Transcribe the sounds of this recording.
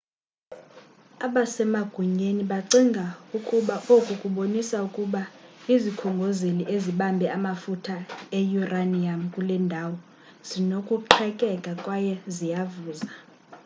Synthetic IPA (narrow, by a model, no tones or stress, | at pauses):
aɓasɛmaɡ̥ʱuɲeniɓaǀiŋɡʱaukʼuɓaʔokʼukʼuɓonisaukʼuɓaizikʰɔŋɡʱozeliʔeziɓambʱɛamafutʰaejuraniam̩kʼulɛndʱawɔ | z̥inokʼuǃʰɛkʼɛkʼakʼwajɛzijavuːza